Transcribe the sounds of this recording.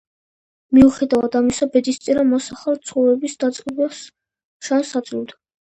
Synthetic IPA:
miuχɛd̪avad̪amisabɛd̪ist̪sʼiɾamɔsaχalt̪sʰχɔvɾɛbisd̪at̪sʼqʼɛblas | ʃansat̪sʼlivd̪a

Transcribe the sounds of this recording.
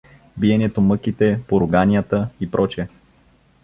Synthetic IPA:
biɛnɛt̪omɤk̟it̪ɛpoɾʊɡanʲijət̪əipɾʔɔt͡ʃɛ

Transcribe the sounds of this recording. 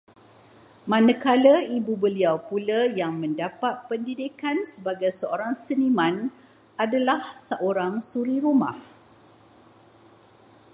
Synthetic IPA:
mãnə̃kaləibubəliawpuləjaŋmə̃ndapat̪̚pəndidikansəbaɡajsəoɾaŋsənimãn | adalahsəʔoɾaŋsuɾiɾuma̰h

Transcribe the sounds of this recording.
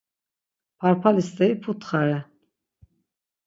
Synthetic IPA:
pʰaɾpʰalist̪ɛipʰut̪χaɾɛ

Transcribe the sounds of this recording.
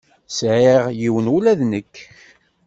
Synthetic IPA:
sʕiʁjiwənulæðnəkː

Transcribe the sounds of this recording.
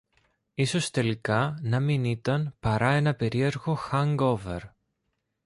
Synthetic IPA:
iso̞st̪e̞likɐnɐminit̪ɐnpɐɾɐe̞nɐpe̞ɾie̞ɾɣo̞xɐŋɡo̞vḛɾ

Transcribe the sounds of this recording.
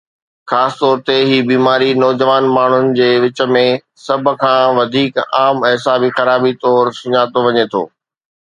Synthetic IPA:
xaːsɪ̥t̪ɔːɾt̪eɦiːbiːmaːɾinɔːd͡ʑəʋaːnmaːɳ̤ʊnɪ̆d͡ʑeːʋɪt͡ɕə̆mẽ | sɐbʱʊkʰãːʋɐd̪ʱiːkaːmɦɪsaːbixɐɾaːbit̪ɔːɾsʊɲaːt̪oʋɐɲet̪ʰo̰ː

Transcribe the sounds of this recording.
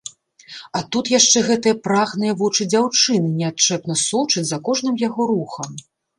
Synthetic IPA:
ɐt̪ut̪jaʂt͡ʂɛɣɛt̪ɨjɐpɾaɣnɨjɐvɔt͡ʂɨd͡zʲawt͡ʂɨnɨnʲɛat̪̚t͡ʂɛpnɐsɔwt͡ʂɐt͡sʲzɐkɔʐnɨmjaɣɔɾuxɐm

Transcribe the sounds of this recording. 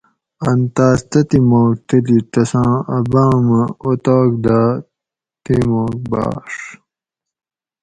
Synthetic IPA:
ɐnt̪aːst̪ɐt̪imoːk̚t̪ɐlit̪ɐsãːɐbãːmɐot̪oːk̚d̪aː | t̪imoːk̚ba̰ːʂ

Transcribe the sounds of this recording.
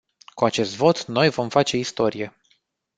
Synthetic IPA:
kuat͡ʃe̞st̪vo̞t̪no̞jvo̞mfat͡ʃe̞ist̪o̞ɾije̞

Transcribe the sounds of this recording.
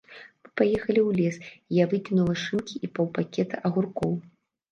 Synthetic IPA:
mɨpajɛxɐlʲiwlʲɛsijavɨkʲinulˠɐʂɨmkʲiʔipɐwpakʲɛt̪ɐʔɐɣurkɔw

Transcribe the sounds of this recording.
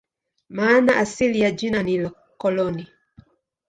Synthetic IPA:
maːnaʔasilijad͡ʒinanilɔ | kɔlɔni

